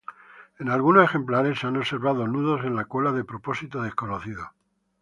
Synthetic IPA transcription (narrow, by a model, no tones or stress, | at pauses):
e̞nalɣunose̞xe̞mplaɾe̞sːeano̞se̞ɾβ̞aðonuðo̞se̞nlakwelaðepɾopo̞sit̪oðeskonoθiðo